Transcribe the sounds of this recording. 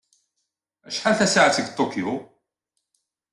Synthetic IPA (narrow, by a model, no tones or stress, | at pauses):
æ̰ʃħalθæsaʕat͡səɡt̪ˤːokiju